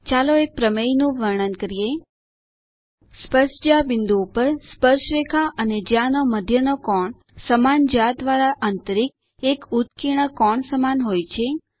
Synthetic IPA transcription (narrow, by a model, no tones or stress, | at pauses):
t͡ʃaloek̚pɾəmejnũʋəɾɳ̃ənkəɾije | spəɾʃd͡ʒabɪnd̪uːpəɾspəɾʃʋekʰaʔəned͡ʒjãnoməd̪ʱjənokɔɳ | səmand͡ʒad̪ʋaɾaʔənt̪əɾik̚ | ekut̪kiɽ̃əkɔɳsəmanɦojt͡ʃʰe